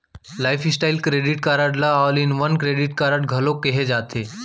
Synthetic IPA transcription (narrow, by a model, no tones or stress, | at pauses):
lajfʰisʈailkɾeɖiʈ̚kaɾaʈlaːlinʋənkɾeɖiʈkaɾaʈɡʱɐlokeɦed͡ʒat̪ʰe